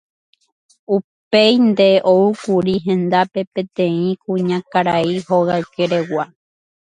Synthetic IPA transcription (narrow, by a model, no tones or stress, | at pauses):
upe̞jnd̪e̞ʔoukuɾiɦẽ̞nd̪ape̞pẽ̞t̪ẽ̞ĩkũɲãkaɾaiho̞ɣaɨkeɾe̞wa